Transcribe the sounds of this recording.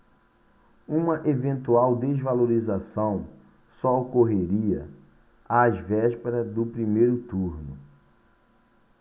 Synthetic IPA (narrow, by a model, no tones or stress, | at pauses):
ũmɐʔevẽnt̪uawd̪ezvaloɾizasɐ̃w̃ | sɔokoɦeɾiɐ | azvɛʃpeɾɐd̪ʊpɾimejɾʊt̪uɾnʊ̰